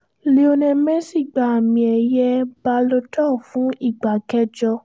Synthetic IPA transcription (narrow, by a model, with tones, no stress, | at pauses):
le˧o˧nɛ̃˧mɛ̃˦si˦˨ɡ͡ba˨a˨mĩ˨˧ɛ˧˨jɛ˦ba˧˦lo˧˦tɔ˦˨fũ˨˦i˦˨ɡ͡ba˨kɛ˦d͡ʒɔ˧